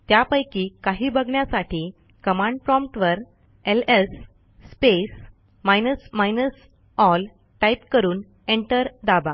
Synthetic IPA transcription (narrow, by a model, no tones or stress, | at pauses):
t̪japəjkiːkaɦiːbəɡɳjasaʈʰiː | kəmãɳɖpɾɔ̃mpʈʋəɾ | elesː | pes | majnəsmajnəs | ɔl | ʈajpkəɾuːn | eɳʈəɾd̪aba